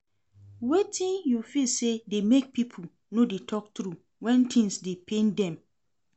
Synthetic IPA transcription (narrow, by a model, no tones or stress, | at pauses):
wetʰĩnjufilsedemek̚pʰipʰo | nõdetʰɔk̚tɾu | wɛ̃ntʰĩnsdepʰẽndɛ̃m